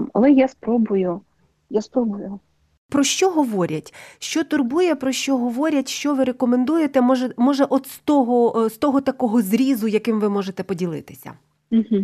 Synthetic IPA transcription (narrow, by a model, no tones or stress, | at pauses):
mɐ̰lˠɛjaspɾɔbʊjʊ | jaspɾɔbʊjʊ | pɾɔʃt͡ʃɔɦɔʋɔɾʲɐtʲʃt͡ʃɔt̪ʊrbujɛpɾɔʃt͡ʃɔɦɔʋɔɾʲɐtʲʃt͡ʃɔʋɪɾekɔmend̪ujet̪ɛmɔʒɛmɔʒɛʔɔd̪st̪ɔɦɔst̪ɔɦɔt̪ɐkɔɦɔzɾʲizʊjɐkɪmʋɪmɔʒet̪ɛpɔdʲilˠɪ̰t̪ɪ̥sʲɐ̰ | m̩ɦm̩